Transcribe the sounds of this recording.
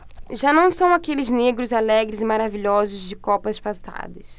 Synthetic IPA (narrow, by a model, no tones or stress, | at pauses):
ʒanɐ̃w̃sɐ̃w̃akelɪzneɡɾʊzalɛɡɾɪzɪmaɾaviʎɔzʊzd͡ʒɪkɔpɐspasa̰d̪ɐs